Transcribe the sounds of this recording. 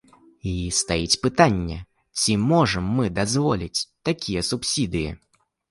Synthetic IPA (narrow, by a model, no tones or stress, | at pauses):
ist̪ajit͡sʲpɨt̪anʲːɛ | t͡sʲimɔʐɨmːɨd̪azvɔlʲit͡sʲt̪akʲijɐsupsʲid̪ɨjḭ